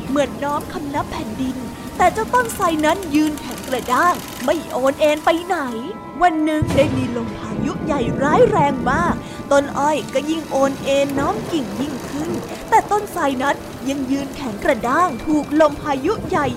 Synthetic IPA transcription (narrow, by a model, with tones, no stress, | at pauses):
mɯ˩˦ənːɔː˦˥mkʰa˧mna˦˥pʰːɛː˨˩˦ndi˧n | t̪ɛː˨˩t͡ɕa˨˩t̪ɔ˥˩ŋsaː˧jna˦˥njɯː˧nkʰɛ˨˩˦ŋkɾa˧daː˥˩ŋ | ma˥˩jʔoː˧nʔeː˧npa˧jna˩˦j | wa˧nːɯ˨˧˩ŋdaː˥˩jmiː˧lo˧mpʰaː˧ju˦˥ʔja˨˩jɾaː˦˥jɾɛː˧ŋmaː˥˩k̚ | t̪o˧nʔɔ˧˩jkɔ˥˩ji˥˩ŋʔoː˧nʔeː˧nːɔː˦˥mki˨˩ŋji˥˩ŋkʰɯ˥˩n | t̪ɛː˨˩t̪o˥˩nsaː˧jna˦˥n | ja˧ŋjɯː˧nkʰɛ˩˦ŋkɾa˧daː˥˩ŋt̪ʰuː˨˩k̚lo˧mpʰaː˧ju˦˥ʔja˨˩j